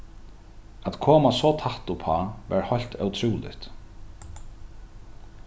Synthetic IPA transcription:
at̪kʰoːmasɔt̪ʰaht̪upʰaːvɛ̰ɹhɔjl̥t̪œwt̪ʰɾuːlɪ̰ht̪

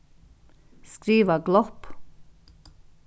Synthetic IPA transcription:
skɾiːʋəɡlɔp

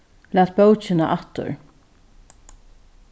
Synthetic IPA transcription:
læːt̪̚bœwt͡ʃɪnaʔaht̪ʊ̰ɹ

